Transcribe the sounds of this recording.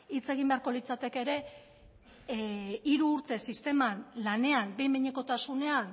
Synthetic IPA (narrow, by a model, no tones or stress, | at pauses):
it͡se̞ɣ̞imbe̞aɾko̞lit͡sat̪e̞ke̞ɾe̞ | iɾuːɾt̪e̞sist̪e̞manlane̞anbejmeɲeko̞t̪asune̞an